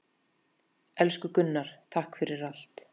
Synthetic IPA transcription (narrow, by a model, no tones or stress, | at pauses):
ɛlskʏkʏnːaɾ̥t̪ʰahkfɪɾɪɾal̥t̪